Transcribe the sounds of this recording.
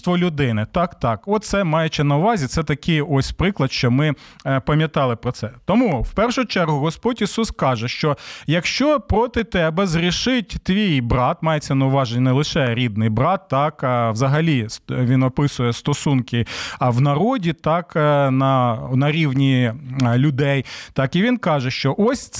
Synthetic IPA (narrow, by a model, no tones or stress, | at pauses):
st̪ʋɔlʲʊd̪ɪnɪt̪ɑkt̪ɑkɔt̪t̪sɛmɑjɛt͡ʃɪnɐʊʋɑzʲit̪sɛt̪ɐkɪjɔsʲpɾɪklˠɐd̪ʃt͡ʃɔmɪpɐmʲjɐt̪ɑlˠɪpɾɔsɛt̪ɔmuwpɛrʃʊt͡ʃɛrɦʊɦɔspɔtʲisuskɑʒɛʃt͡ʃɔjɐkʃt͡ʃɔpɾɔt̪ɪt̪ɛbɐzɾʲiʃɪtʲt̪ʋʲijbɾɑt̪mɑjet͡sʲːɐnɐʊʋɑʒenʲːɐnɛlˠɪʃɛɾʲid̪̚nɪjbɾɑt̪ːɑkwzɐɦɐlʲisʋʲinɔpɪsʊjɛst̪ɔsunkɪwnɐɾɔdʲit̪ɑknɐnɐɾʲiwnʲilʲʊd̪ɛjt̪ɑkiʋʲinkɑʒɛʃt͡ʃɔʔɔsʲ